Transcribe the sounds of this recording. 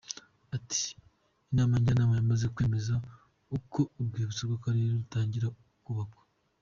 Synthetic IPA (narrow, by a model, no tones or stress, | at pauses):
ati̥ː | naːmaɲɟanaːmajamaze̞kwe̞ːme̞za | ukʰo̞ub̚ɡeːβut͡sibɡakaɾeɾeɾutaːɲɟiɾaukuβakwḁ